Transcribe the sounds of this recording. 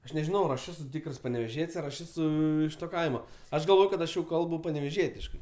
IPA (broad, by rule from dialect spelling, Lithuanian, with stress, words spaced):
ˈɐʃ nʲɛʒʲɪˈnɐʊ ɐr ˈɐʃ ˈæːsʊ ˈtʲiːkrs pɐnʲɛʋʲɛˈʒʲiɛtʲsʲ ɐr ɐʃ ˈæːsʊ ɪʃ toː ˈkɐɪmoː ˈɐʃ ɡɐlˠˈʋoːj kɐt ˈɐʃ jɛʊ ˈkɐlˠbʊ pɐnʲɛʋʲɛˈʒʲiɛtʲɪʃkɐɪ